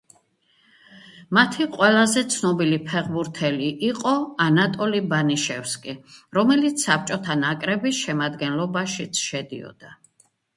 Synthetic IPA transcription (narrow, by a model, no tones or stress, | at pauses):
mat̪ʰiqʼwɛlˠazɛt̪sʰnɔbilipʰɛʁbuɾt̪ʰɛliʔːqʼɔanat̪ʼɔlibaniʃɛfskʼiɾɔmɛlit̪sʰsap̚t͡ʃʼɔt̪ʰanakʼɾɛbiʃɛmad̪ɡɛnlɔbaʃit̪sʰʃɛd̪ḭɔ̰d̪̥a